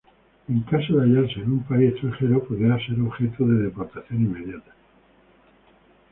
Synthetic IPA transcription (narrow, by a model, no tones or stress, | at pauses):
eŋkasoðeaʎaɾse̞ːnumpaiet̪ɾaŋxe̞ɾopoðɾaase̞ɾo̞βxe̞t̪oðe̞ðe̞po̞ɾt̪aθjo̞nimːe̞ðjat̪ḁ